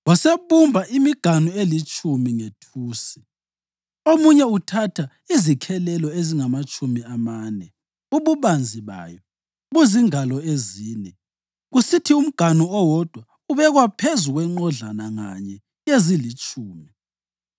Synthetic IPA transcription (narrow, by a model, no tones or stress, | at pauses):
wɔseβumbʱaʔimiɡ̥ʱanuelit͡ʃʼumiŋetʰuːsi̥ | omuɲɛutʰatʰa | izikʰɛlɛlɔeziŋamat͡ʃʼumiamaːnɛ | uβuβand͡zʱiβa̰ːjɔ | βuziŋalɔeziːnɛ | ɣusitʰium̩ɡ̥ʱanuɔwɔd̥ʱwa | uβɛɣwapʰezuɣwɛŋ͡ǃɔɮanaŋa̰ɲɛ | jezilit͡ʃʼuːmi